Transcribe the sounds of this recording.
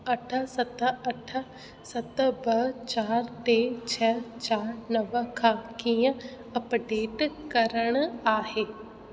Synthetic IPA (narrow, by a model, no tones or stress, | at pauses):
əʈʰəsət̪əʈʰə | sət̪bət͡ʃaːɾt̪eːt͡ʃʰɛːt͡ʃaːɾnəʋəkʰaːkiã | əpɖeːʈkəɾəɳaːɦeː